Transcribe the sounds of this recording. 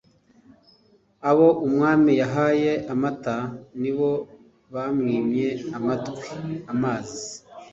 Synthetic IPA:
aβo̞ʔumŋaːmijaɦaːje̞ʔamataniβo̞ | βamŋiːmɲe̞amatkweamaːzi

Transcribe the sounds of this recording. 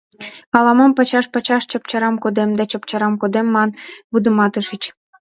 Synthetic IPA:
ɑlɑmɑmpɑt͡ɕɑʃpɑt͡ɕɑʃt͡ɕɑp̚t͡ɕɑɾɑmkod̪emd̪ɑt͡ɕɑpt͡ɕɑɾɑmkod̪emːɑnβud̪ə̆mɑt̪əʃət͡ɕ

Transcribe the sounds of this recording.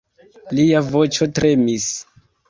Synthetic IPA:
liavo̞t͡ʃo̞tɾe̞mis

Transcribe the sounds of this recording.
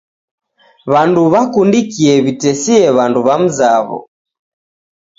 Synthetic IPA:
βanduβakundikiɛβitɛsiɛβanduβam̩zaβɔ̰

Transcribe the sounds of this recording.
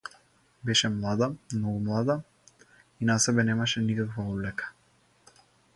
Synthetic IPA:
bɛʃɛmlˠad̪amnɔɡumlˠad̪a | inasɛbɛnɛmaʃɛnikakvaɔblɛkḁ

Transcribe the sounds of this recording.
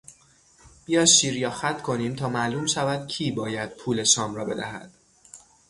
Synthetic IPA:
b̥ijɒːd̪ʃiːɾjɒːxæt̪ʰkʰo̞niːmt̪ʰɒːmæʔluːmʃævæd̪̥̚cʰiːbɒːjæd̪̥̚pʰuːle̞ʃɒːmɾɒːbe̞̰d̪æ̰ɦæ̰d̪̥

